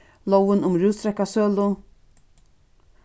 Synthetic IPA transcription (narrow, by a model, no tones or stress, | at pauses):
lowənʊmɾʉːst̪ɾɛkːasøːlʊn